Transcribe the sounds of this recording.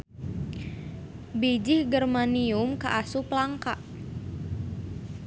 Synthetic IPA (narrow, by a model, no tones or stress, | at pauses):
bid͡ʒɪhɡərmaniʊmka̰ʔasuplaŋkaʔ